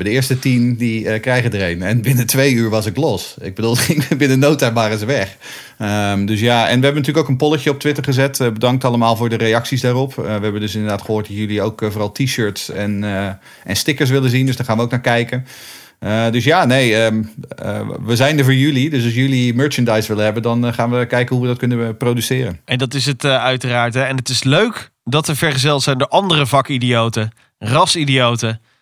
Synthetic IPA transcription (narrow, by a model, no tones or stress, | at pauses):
ɛdəɪːɹstətindiəkrɛjɣədərejnɛnbɪnətʋejyːɹʋɑsɪklɔsɪɡ̚bədulˠɪŋbɪnənowtaʋaːrəzəʋɛx | əmdøs̬jaːɛ̰nʋəɦɛbənətyləkoʊwkənpɔlˠəcjəɔp̚tʋɪtəɹχəzɛtəbədɑŋktɑləmaːlˠvʊːɹdərejɑksisdaːrɔpəʋəɦɛbəndøsɪndəɹdaːtχəɦoːt̚dɑtjəliowkvoːrɑlˠtʰiʃøːɹtsɛn | ʔɛnstɪkəɹs̬ʋɪlənzindøsdɔχaːnʋəowk̚naːɹkɛjkən | ədøsjaːnejəə̰ʋəzɛjndəɹvoːɹjylidøs̬ɑls̬jølimøːɹt͡ʃəndajsʋɪlənɦɛbəndɑnχaːnʋəkɛjkənɦuʋədɑtkɵnəprowdysɪːɾənɛndɑtɪs̬ətœɥtəraːɹtɦɛɛnɦətɪsløɥk | dɑtəɹv̥ɛɹχəzɛlˠtsɛjndoːʔɑndərəvɑkidijowtə | rɑsidijowtə